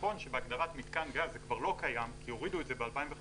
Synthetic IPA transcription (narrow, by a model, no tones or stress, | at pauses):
o̞nʃebeaɡdaʁat̪mit̪kanɡalzekvaʁlo̞kajamkʰijo̞ʁiduetzebealpaimve